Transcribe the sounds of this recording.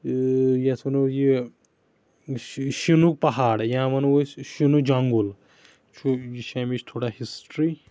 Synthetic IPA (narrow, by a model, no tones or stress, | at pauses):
jesʰɐnuji | ʃinuk̚pɐɦaːɽjãmɐnʃinud͡ʒaŋɡul | t͡ʃʰujiʃamit͡ʃʰt̪ʰoːɽahisʈɾi